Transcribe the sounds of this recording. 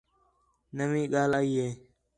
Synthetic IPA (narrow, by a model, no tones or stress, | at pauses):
nəmĩːɠaːlaːiːɦeː